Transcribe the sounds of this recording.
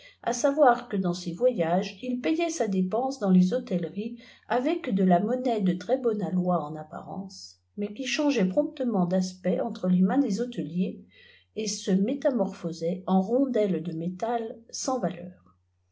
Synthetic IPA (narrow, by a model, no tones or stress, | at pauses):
a̰savwaʁkəd̪ɑ̃sevwajaʒilpɛjɛsad̪epɑ̃sd̪ɑ̃lezɔt̪ɛlʁi | avɛkd̪əlamɔnɛd̪ət̪χɛbɔnalwaɑ̃napa̰ʁɑ̰̃s | mɛkʲiʃɑ̃ʒɛpχɔ̃p̚t̪əmɑ̃d̪aspɛʔɑ̃t̪χəlemɛ̃d̪ezɔot̪əlje | esəmet̪amɔʁfɔzɛɑ̃ʁɔ̃d̪ɛld̪əmet̪alsɑ̃valœːʁ